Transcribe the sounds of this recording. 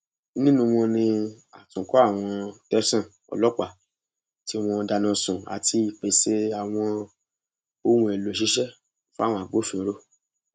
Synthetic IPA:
nĩ˦nũ˧w̃ɔ̃˧nĩ˧ | a˨tũ˨kɔ˨˦a˦˨w̃ɔ̃˧tɛ˦sã˦˨ | ɔ̰˨lɔ˦k͡pa˦˨ | ti˦ɔ˦˧w̃ɔ̃˧da˧nã˧sũ˨a̰˨tʰi˧k͡pe˨se˦a˨w̃ɔ̃˧ | o˧˦wũ˨ɛ˨lo˨ʃi˦ʃɛ˦˨ | fa˦˨w̃ɔ̃˧a˨ɡ͡bo˨˦fĩ˧˨˦ɾo˦

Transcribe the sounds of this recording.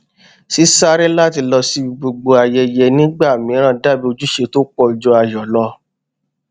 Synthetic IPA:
si˦sa˦ɾɛ˦la˦˨ti˧lɔ˧si˧˦i˧ɡ͡bo˧ɡ͡bo˧a˧jɛ˧jɛ˧nĩ˦ɡ͡ba˦˨mĩ˨˦ɾ̃ã˦˨da˦˨bi˦o˧d͡ʒu˦ʃe˧to˦k͡pɔ˧˨i˨d͡ʒɔ˧a˧jɔ˨lɔ˧˦

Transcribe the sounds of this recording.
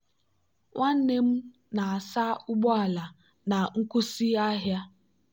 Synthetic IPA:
ŋʷʔa˦n̩˦ne˦m̩˦ | na˨a˨sa˦ʊ˦ɡ͡bɔ˦a˨la˨ | na˨ŋ̩˦kʊ˦si˦a˦ɦja˦

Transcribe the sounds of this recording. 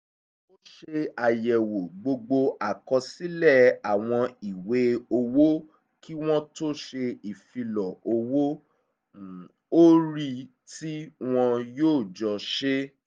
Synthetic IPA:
o˦ʃe˧a˨jɛ˨wo˨ɡ͡bo˧ɡ͡bo˧a˨kɔ˧si˨˦lɛ˦˨a˨w̃ɔ̃˧i˨we˨˦o˧wo˦ | kʰi˦w̃ɔ̃˦to˦ʃe˧i˨fi˧lɔ˨o˧wo˦˨ | o˦ɾi˧ | ti˦w̃ɔ̃˧joː˦˨d͡ʒɔ˧ʃe˦

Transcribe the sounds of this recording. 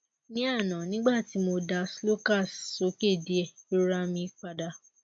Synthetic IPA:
nĩ˦a˦˨nã˨nĩ˨˦ɡ͡ba˦˨ti˨˦mo˧da˧slo˦ka˦˨so˨˦ke˦˨di˨˦ɛ˨i˦ɾa˧mĩ˧k͡pa˧da˧

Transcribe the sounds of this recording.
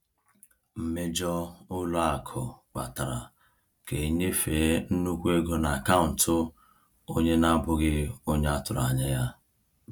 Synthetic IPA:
m̩˨me˦d͡ʒɔ˦ʊ˦lʊ˦a˨kʰʊ˨k͡pa̰˨ta˨ɾa̰˨ | ke˨ɲe˦feː˨˦n̩˦nu˦kʷe˦ɡo˦na˨a˨ka˦ʊ˨n̩˨tʊ˦ | o˦ɲe˦na˦bʊ˦ɡɪ˦o˦ɲe˦a˦tʊ˨ɾa̰˨ɲa˦ja˦

